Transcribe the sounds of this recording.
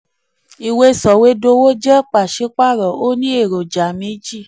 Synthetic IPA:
i˧we˧sɔ˨we˧˦do˧wo˦d͡ʒɛ˦k͡pa˨ʃe˧˦k͡pa˦˨ɾɔ˨o˦nĩ˦e˦˨ɾo˨d͡ʒa˨mĩ˨˦d͡ʒi˦˨

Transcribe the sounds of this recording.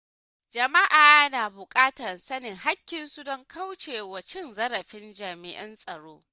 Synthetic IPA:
d͡ʒɐ˨ma˦ʔaː˨jɐ˦naː˨bʊ˨kʼaː˦tɐ˨rsɐ˦nɪ˨ŋɦa˦kʲːɪ˨nsu˦dɔ˦ŋkʰa˦wt͡ʃeː˨wɐ˨t͡ʃɪ˦nzɐ˦ɾɐ˨ɸɪ˦nd͡ʒaː˨mɪ̰˨ʔɐ̰˦nsʼɐ˨ɽoː˦

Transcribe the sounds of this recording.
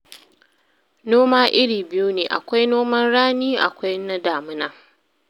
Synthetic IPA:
noː˦maː˦ʔɪ˦ɽiː˨bɪ˦ju˦neː˨ʔa̰˨kʷa˦jnoː˦mɐ˦nɽaː˦niː˦ʔa̰˨kʷa˦jna˦daː˨mʊ˦naː˨

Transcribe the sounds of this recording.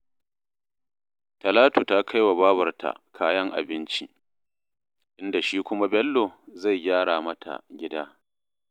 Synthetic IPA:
tɐ˨laː˦tu˨ta˦kʰa˦jwa˨baː˦wɐ˨rtʰa̰˨kʰaː˦jɐ˦ŋʔa̰˨bɪ˦nt͡ʃi˦ | ʔɪ˦nda˨ʃiː˦kʷʊ˦ma˦bɛ˦lːo˨za˦˨jɡʲaː˦ɽaː˨mɐ˦tʰa̰˨ɡʲɪ˦daː˦

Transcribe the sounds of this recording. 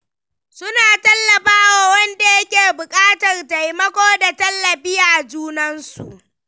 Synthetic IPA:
sʊ˦naː˨tɐ˦lːɐ˨ɸaː˦waː˨wɐ˦nda˨jɐ˦kʲeː˨bʊ˨kʼaː˦tɐ˨rta˨jmɐ˦kʷoː˦da˨tɐ˦lːɐ˨bɪ˦jaː˨d͡ʒuː˦nɐ˦nsṵ˨ʔ

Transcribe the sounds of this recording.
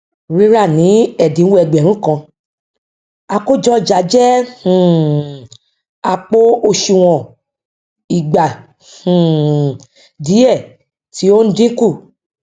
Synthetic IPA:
ɾi˦ɾa˦˨nĩ˨˦ɛ˦˨dĩ˨˦wo˦ɛ˧˨ɡ͡bɛ˨ɾ̃ũ˦kã˧ | a˧ko˦d͡ʒɔ˦˨d͡ʒa˨˦d͡ʒɛ˦h̩˨ | a˧k͡po˦o˧ʃi˨w̃ɔ̃˨ | i˨ɡ͡ba˨ | hũ˨ | di˨˦ɛ˦˨ | ti˨˦o˦n̩˦dĩ˦ku˦˨

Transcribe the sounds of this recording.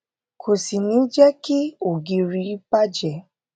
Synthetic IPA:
kʰo˨si˨nĩ˨˦d͡ʒɛ˦ki˦o˨ɡi˧ɾi˧˦pa˦d͡ʒɛ˨

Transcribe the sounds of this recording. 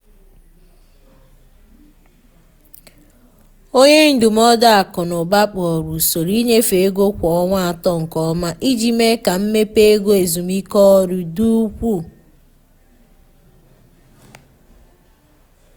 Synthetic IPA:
o˦ɲe˦n̩˦du˨m˦ɔ˦da˦a˨kɔ˨nʊ˨ɡ͡ba˦k͡pɔ˨ɾu˨so˨ɾi˦ɲe˦fe˨e˦ɡo˦kʷɔ˨ɔ˦ŋʷa˦a˨tɔ˦ŋ̩˨kɔ˦ma˦ʔi˦d͡ʒi˨me˦ka˨m̩˦me˦pe˦e˦ɡo˦e˨zu˨mi˦kɔ˦ɔ˦ɾʊ˨du˦kʷu˦˨

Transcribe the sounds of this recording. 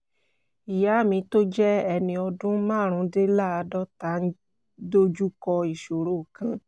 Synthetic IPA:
i˨ja˨˦˨mĩ˧to˦d͡ʒɛ˦ɛ˧nĩ˧ɔ˧dũ˦mãː˦˨ɾ̃ũ˧˦de˦la˦˨a˧dɔ˦ta˨˦n̩˦ | do˦d͡ʒu˦kɔ˧i˨ʃo˨ɾo˨kã˧

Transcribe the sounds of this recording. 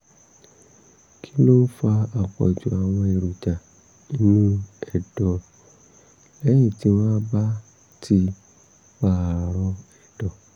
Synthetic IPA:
kʰi˦no˦n̩˦fa˧a˨k͡pɔ̰˨d͡ʒu˨a˨w̃ɔ̃˧e˨ɾu˨d͡ʒa˨ | nĩ˦nũ˦ɛ˨dɔ˨ | ɛ˦j̃ĩ˦˨ti˨˦mãː˦ba˦ | tʰi˧ | ba˧˦˨ɾɔ˧ɛ˨dɔ˨

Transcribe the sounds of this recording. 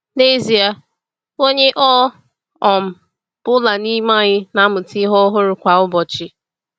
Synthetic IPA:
ne˦zi˨a˨ | o˦ɲe˦ʔɔ˦ | ɔ˨m̩˨ | b̥ʊ˦la˨ni˦ma˦ɲɪ˦na˦mʊ˨ti˦ɦɔ˦ɦʊ˦ɾʊ˨kʷa˨ʊ˦bɔ˨t͡ʃɪ˦

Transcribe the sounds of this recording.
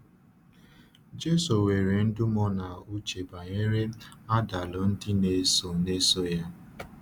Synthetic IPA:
d͡ʒe˦so˨we˨ɾe˨n̩˦dʊ˦mɔ˦na˨u˦t͡ʃe˨ba˨ɲe˦ɾe˦a˦da˨lɔ˨n̩˦dɪ˦ne˨so˨ne˦so˦ja˦

